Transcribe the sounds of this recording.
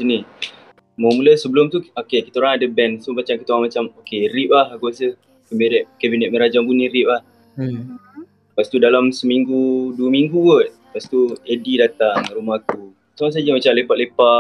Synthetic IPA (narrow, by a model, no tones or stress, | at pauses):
sini | mamuləsəbəlʊmt̪uokekit̪aoɾaŋadəbɛnsəmat͡ʃamkit̪aoɾaŋmat͡ʃamokerip̚lahɡuasə | kəmiɾɛʔkɛbinɛt̪̚məɾad͡ʒaŋbuniɾip̚lah | past̪udalamsəmiŋɡuduəmiŋɡuwət̪̚ | past̪uedidat̪aŋrumaht̪u | samas̬ad͡ʒəmat͡ʃamlepat̪̚lepa